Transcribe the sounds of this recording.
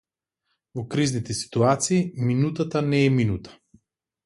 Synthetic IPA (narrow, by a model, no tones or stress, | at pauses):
vɔkɾiznit̪ɛsi̥t̪uat̪siːminut̪at̪anɛːminut̪ḁ